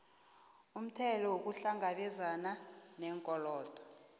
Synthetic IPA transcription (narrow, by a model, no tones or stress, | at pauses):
um̩tʰɛlɔwok̬uɬaŋaɓɛzananɛːŋkʼɔlɔːd̥ʱɔ̥